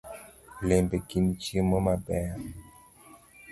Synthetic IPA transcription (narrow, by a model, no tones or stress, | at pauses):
lembekint͡ʃimomabɛ